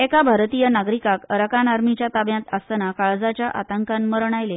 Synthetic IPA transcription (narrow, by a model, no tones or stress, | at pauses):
ekabʱaɾt̪ijənaɡɾikakəɾəkanaɾmit͡ɕjat̪abjãt̪əst̪nakaɭd͡zat͡ɕjaʔa̰t̪əŋkanməɾɳ̃ajle